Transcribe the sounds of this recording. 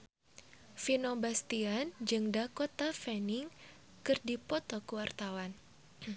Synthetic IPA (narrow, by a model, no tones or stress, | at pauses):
finobast̪iand͡ʒɨŋdakot̪afɛniŋ | kɨrdipɔt̪ɔkəwart̪awan